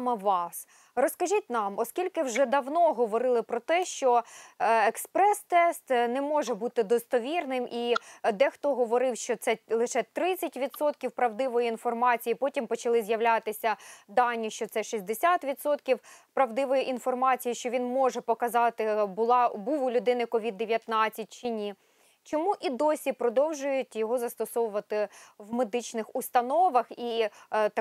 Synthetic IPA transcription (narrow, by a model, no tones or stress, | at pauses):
mɐʋɑs | rɔskɐʒʲitʲnɑmɔskʲilʲkɪwʒɛd̪ɐwnɔɦɔʋɔɾɪlˠɪpɾɔt̪ɛʃt͡ʃɔ | ekspɾɛst̪ɛst̪nɛmɔʒɛbut̪ɪd̪ɔst̪ɔʋʲirnɪmʔid̪ɛxt̪ɔɦɔʋɔɾɪwʃt͡ʃɔt̪sɛlˠɪʃɛt̪ɾɪt͡sʲːɐtʲʋʲid̪sɔt̪kʲiwpɾɐwd̪ɪʋɔjiinfɔrmɑt͡sʲijipɔtʲimpɔt͡ʃɐlˠɪzjɐwlʲat̪ɪsʲɐd̪ɑnʲːiʃt͡ʃɔt̪sɛʃizʲd̪esʲat̪ʋʲid̪sɔt̪kʲiwpɾɐwd̪ɪʋɔjiʔinfɔrmɑt͡sʲijiʃt͡ʃɔʋʲinmɔʒɛpɔkɐzɑt̪ɪbʊlˠɑbuwʊlʲʊd̪ɪnɪkɔʋʲid̪ːeʋʲjɐt̪nɑt͡sʲːɐt̚ʲt͡ʃɪnʲi | t͡ʃɔmuʔid̪ɔsʲipɾɔd̪ɔwʒʊjʊtʲjɔɦɔzɐst̪ɔsɔʋʊʋɐt̪ɪwmed̪ɪt͡ʃnɪxʊst̪ɐnɔʋɐxi